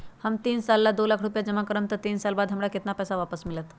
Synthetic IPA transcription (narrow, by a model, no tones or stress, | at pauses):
hamt̪iːnsalːad̪olakʰɽupjad͡ʑəmakəɾəmt̪ət̪iːnsalbad̪ɦəmɽaket̪napəjsaʋapəsmilət̪